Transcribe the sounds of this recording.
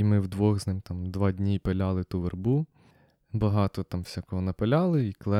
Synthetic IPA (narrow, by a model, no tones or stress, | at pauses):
imɪwd̪ʋɔɣznɪmt̪ɑmd̪ʋɑd̪ʲnʲipelʲalˠɪt̪uʋerbu | bɐɦɑt̪ɔt̪ɑmwsʲakɔɦɔnɐpelʲɑlˠɪiklˠɛ